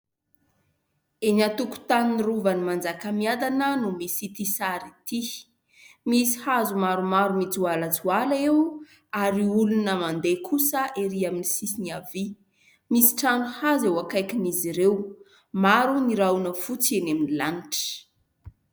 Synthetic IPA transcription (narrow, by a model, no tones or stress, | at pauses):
enat̪uku̥t̪aniniruvanimand͡zakəmiad̪anənumisit̪isaɾit̪i | misi̥hazumaɾumaɾumit͡sualat͡sualaew | aɾiulunəmand̪ekʰusəʔeɾiaminisisiniavi | misi̥ʈ͡ʂanuhazewakajkiniziɾew | maɾuniɾanəfut͡seneminilaniʈ͡ʂə̥